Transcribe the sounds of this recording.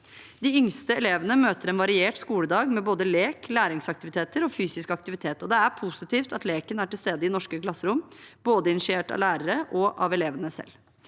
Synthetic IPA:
d̪ɪʏŋst̪əɛleːʋənəmøːt̪əɾɛnʋɑɾɪeːʈskuːləd̪ɑːɡmɛboːd̪əleːklæːɾɪŋsɑkt̪ɪʋɪt̪eːt̪əɾɔfyːsɪskəɑkt̪ɪʋɪt̪ʰeːt̪ɔd̪ɛæɾpʰʊsɪt̪ʰiːft̪ɑt̪leːkənæʈɪlst̪eːd̪əɪnɔʂkəklɑsːəɾʊmboːd̪əɪnɪʂɪeːʈɑ̰ʋlæːɾəɾəʔɔʔɑ̰ʋɛleːʋənəsɛ̰l

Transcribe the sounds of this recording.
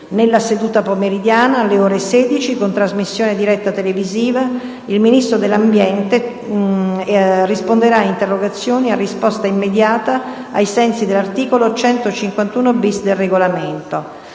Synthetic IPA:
nelːased̪uːt̪apomeɾid̪jaːnaːlːeoːɾeseːd̪it͡ʃikont̪ɾazmisːjoːned̪iɾɛt̪ːat̪eleviziːva | ilminist̪ɾod̪elːambjɛnt̪e | rispond̪eɾaːint̪erːoɡat̪sːjoːniarːispɔst̪aimːed̪jaːt̪aː | jsɛnsid̪elːart̪iːkolot͡ʃɛnt̪ot͡ʃiŋkwant̪uːnobisd̪elreɡolament̪o

